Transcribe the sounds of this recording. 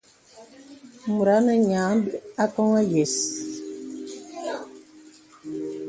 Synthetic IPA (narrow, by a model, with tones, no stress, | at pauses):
mu˨ɾa˨˦nə˦ɲa˨˦ŋba˦kɔ˦ŋa˦jɛ˨s